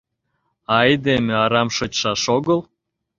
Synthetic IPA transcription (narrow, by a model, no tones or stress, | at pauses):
ɑjd̪emeɑɾɑmʃot͡ɕʃɑʃoɣəl